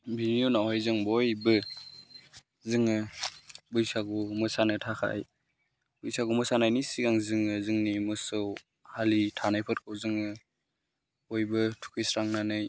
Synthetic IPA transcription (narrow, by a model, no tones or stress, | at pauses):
bʱinijunawɦajzɯŋbɔjbɯ | zɯŋɯ | bɯjsaɡumɯsanɯtʰakʰa̰j | b̥ɯjsaɡumɯsanajnisiɡaŋzɯŋɯzɯŋnimɯsɯw | halitʰanajpʰɯt̚kʰowzɯŋɯ | bɔjbɯtʰu̥kʰɯjsɾaŋnanɯj